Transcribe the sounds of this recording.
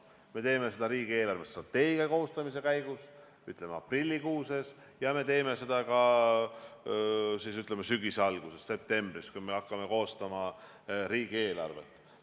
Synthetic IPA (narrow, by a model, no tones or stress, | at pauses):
me̞t̪e̞ːme̞se̞d̪ɑɾiːɡ̥ie̞ːlɑrvest̪rɑt̪ːe̞ːɡiɑko̞ːst̪ɑmise̞kæjɡ̥us | yt̪ˑlemeɑ̰prilʲːikuːse̞s | jɑme̞t̪e̞ːme̞se̞d̪̥ɑkɑ | siːsyt̪lemesyɡiseɑlɡ̥use̞ssep̚t̪e̞mbriskujme̞ɑkˑːɑme̞ko̞ːst̪ɑmɑ | ɾiːɡ̥ie̞ːlɑ̰rve̞̰t̪ːˑ